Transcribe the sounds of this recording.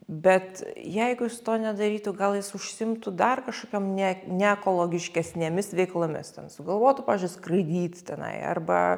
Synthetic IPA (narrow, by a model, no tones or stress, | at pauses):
bʲɛt̪jɛɪɡʊjɪsʊt̪oːnʲɛd̪ɐɾʲiːt̪ʊɡɐlˠjɪsʊʃʲsʲɪɪmt̪ʊd̪ɐrkɐʃkoːkʲomnʲɛnʲɛɛkoːlˠoːɡʲɪʃʲkʲɛsʲnʲeːmʲɪsʋʲɛɪklˠomʲɪ̰st̪ʲɛnsʊɡɐlˠʋoːt̪ʊpɑːʋʲɛzʲʒd͡ʒʲʊɪskrɐɪd̪ʲiːt̪t̪ʲɛnɐ̰ɪɐ̰rbɐ̰